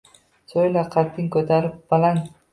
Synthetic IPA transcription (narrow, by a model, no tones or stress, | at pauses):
sojlaqʰat̪ːɪŋkɵt̪ʰaɾɪp̚balan